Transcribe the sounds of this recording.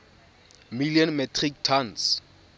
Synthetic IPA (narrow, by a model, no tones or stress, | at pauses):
miliɔnmɛtʰrik̚tʰans